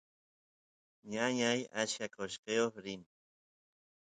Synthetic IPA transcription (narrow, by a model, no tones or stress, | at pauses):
ɲaɲajasjakoʃqeoχɾɪn